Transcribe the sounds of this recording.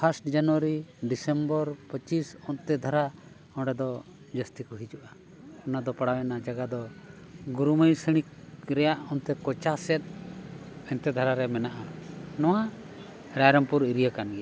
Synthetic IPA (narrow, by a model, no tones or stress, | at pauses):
pʰasʈd͡ʒanwəɾiɖisɛmbəɾpət͡ʃisɔnt̪ɛd̪ʱaɾa | ɔɖɛd̪ɔ | d͡ʒəst̪ikɔɦid͡ʒuʔa | ɔnad̪ɔpaɽawɛnad͡ʒaɡad̪ɔɡuɾuməjsəɽ̃ik̚ɾɛjaʔɔnt̪ɛkɔt͡ʃasɛt̪̚ˀ | ɛnt̪ɛd̪ʱaɾaɾɛmɛnaʔanɔwa | ɾajɾəmpuɾiɾijəkanɡɛa